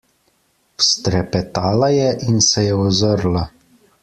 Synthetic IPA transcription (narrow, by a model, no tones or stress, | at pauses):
wst̪ɾɛpɛt̪aːlajɛʔinsɛjɛɔzəɾla